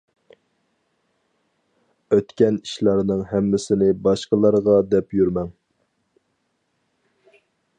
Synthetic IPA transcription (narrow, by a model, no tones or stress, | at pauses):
øt̪kʲɛni̥ʃlˠɑɾnɨŋɦɛmːɪsɪnɪbɑʃqəlˠɑɾʁɑd̪ɛpjyɾmɛŋ